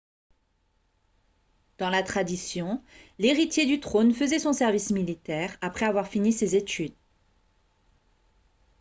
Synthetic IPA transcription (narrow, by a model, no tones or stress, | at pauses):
d̪̥ɑ̃lat̪χad̪isjɔ̃leʁit̪jed̪yt̪χonfəzɛsɔ̃sɛʁvismilit̪ɛʁapχɛavwaʁfinisezet̪yd̪